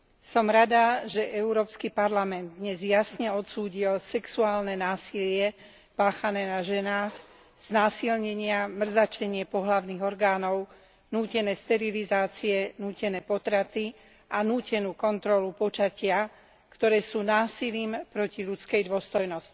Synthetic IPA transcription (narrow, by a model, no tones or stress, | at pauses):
sɔmɾad̪aʒɛʔɛuɾɔːpskipaɾlamɛnd̪̚ːɲɛzjasɲɛɔt̪suːɟilsɛksuaːlnɛnaːsilɪɛ | paːxanɛːnaʒɛnaːx | z̥naːsilɲɛɲɪamr̩zat͡ʃɛɲɪɛpɔɦlaʊniɣɔɾɡaːnɔʊ | nuːcɛnɛːst̪ɛɾilizaːt͡siɛnuːcɛnɛːpɔt̪ɾat̪i | ʔanuːcɛnuːkɔnt̪ɾɔlupɔt͡ʃacɪa | kt̪ɔɾɛːsuːnaːsiliːmpɾɔciʎut͡skɛjd̪ʊɔst̪ɔjnɔsci̥